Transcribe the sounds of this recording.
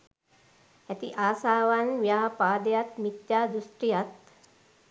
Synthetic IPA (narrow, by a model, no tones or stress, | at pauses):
æt̪iʔaːsaːʋanʋjaːpaːd̪ejat̪mit̪jaːd̪usʈɾijat̪